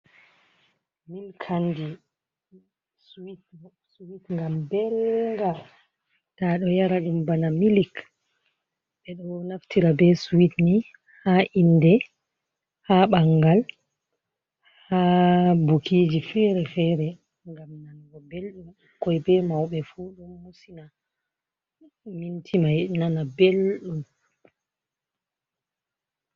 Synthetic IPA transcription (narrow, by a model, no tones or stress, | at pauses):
milkʰandi | suwit | suwitŋɡambɛlŋɡa | taɗɔjaɾaɗumbanamilik | ɓɛɗɔnaftʰiɾabɛsuwitni | haʔindɛ | haɓaŋɡal | habukʰid͡ʒifɛɾɛfɛɾɛ | ŋɡamnaŋɡɔbelɗum | kɔjbɛmawɓɛfuɗumːusina | mintʰimajnanabelɗum